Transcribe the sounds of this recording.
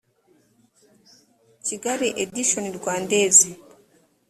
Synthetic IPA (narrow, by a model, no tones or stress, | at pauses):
ciɡaɾiʔediʃoniɾɡwaːndeːzi